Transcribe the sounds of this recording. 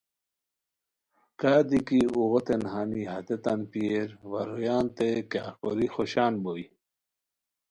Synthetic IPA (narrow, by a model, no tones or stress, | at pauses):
kaːd̪ikiuɣot̪enɦaniɦɐt̪et̪anpieɾwɐɾojaːnt̪ekaːkoɾixoɕaːnboi